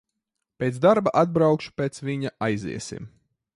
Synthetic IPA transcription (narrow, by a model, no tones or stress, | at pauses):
pʲeːt̪zd̪aɾbaʔad̪̚bɾawkʃu̥peːt̪sviɲaʔajzḭɛsḭm